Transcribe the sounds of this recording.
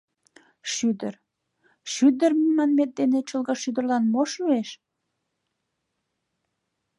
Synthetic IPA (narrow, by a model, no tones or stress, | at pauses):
ʃyd̪ər | ʃyd̪ərmimɑnmet̪̚d̪enet͡ɕəlɣɑʃyd̪ə̆rlɑnmoʃueʃ